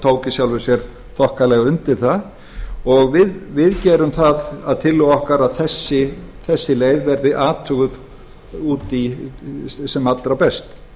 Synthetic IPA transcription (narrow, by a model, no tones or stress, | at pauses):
t̪ʰoːwcɪsjawlvɛsjɛɾ̥ | θɔhkalɛɣaʏnt̪ɪɾ̥θa | ɔɣvɪðvɪðcɛːɾʏmθaðaðt̪ʰɪlːʏɣɔhkaɾaðθɛsːɪθɛsːɪleːjðvɛɾðɪʔaːt̪ʰʏɣʏð | uːt̪i | sɛmat̪lɾapɛst̪